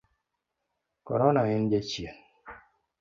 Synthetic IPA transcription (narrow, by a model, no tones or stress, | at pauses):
kɔ̰ɾɔnaɲind͡ʒet͡ʃien